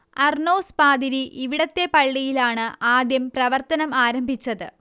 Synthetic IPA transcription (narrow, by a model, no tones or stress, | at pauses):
ɐrɳoːspaːd̪iɾiʔiʋiɽɐt̪ːe̞pɐɭːijilaːɳɨaːd̪jɐmprɐʋɐrt̪ɐnɐmaːɾɐmbʱit͡ɕːɐðɨ